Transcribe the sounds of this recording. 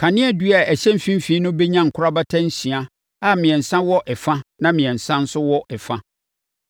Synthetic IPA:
kʰa˨nɪ̃˦ɛ˦du˦a˨æ˨ɕɛ̃˦m̩˦fĩ˦m˦fi˦nʊ̃˦be˦ɲã˦ŋ̩˨kʰʊ˦ɾa˦ba˦tʰã˦n̩˦sĩ˨a˦ | a˦mɪ̃˨ɛ̃˨n̩˨sã˦wɔ˦ʔɛ˨fã˦nã˦mɪ̃˨ɛ̃˨n˨sã˦n̩˦sʊ˦wɔ˦ʔɛ˨fã˦

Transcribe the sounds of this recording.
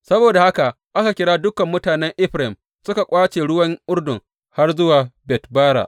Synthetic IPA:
sɐ˦boː˨da˨ha˦ka˨ʔ | ʔa˦ka˨kʲɪ˦ɽaː˦dʊ˦kɐ˨mːʊ˦taː˨nɛ˦ŋʔɪ˦ɸɾɪ˨m | sʊ˦ka˨kʷʼaː˦t͡ʃeː˨ɽʊ˦wɐ˦ŋʔʊ˦rdʊ˨ŋ | ha˦rzʊ˦waː˨bɛ˨tbaː˦ɽa̰ː˨ʔ

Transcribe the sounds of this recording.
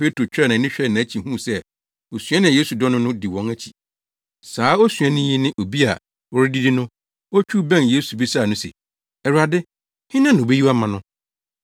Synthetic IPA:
pʰe˦tʰu˨o˨t͡ɕʰᶣɾa˦nã˨˦ɪ̃˦ɕᶣɛ˦˨nã˨æ˦t͡ɕʰi˨ɦũ˦˨sɛ˦ | o˨sɥã˦nɪ̃˨jeː˦su˨dɔ˦nʊ̃˦nʊ̃˦dɪ˨wɔ̃˨˦ŋæ˦t͡ɕʰi̥˨ | saː˨˦ɔ˦sɥã˦nɪ̃˦ji˦nɪ̃˦ʔo˨bi˦a˨ | wɔ˦ɾɪ˦di˦dɪ˦nʊ̃˦ | ɔ˦t͡ɕʰᶣu˦bɛ̃˦nje˦su˨bi˦sa˦˨nʊ̃˦sḛ˨ | ɛ˨ɾu˨a˨dɪ˦ | hɪ̃˦nã˦ñ˨be˦ji˦wa˦mã˨nʊ̃˦

